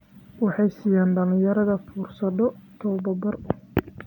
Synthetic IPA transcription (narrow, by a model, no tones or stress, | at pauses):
wɑħɑjsiːjaːnɖɐlɪ̃jɐɾɐðɐfuːrsɐðɔt̪ʰɔwbɐbɐr